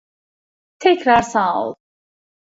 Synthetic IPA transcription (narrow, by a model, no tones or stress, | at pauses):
t̪ʰɛkʰɾaɾsãɔ̰lˠ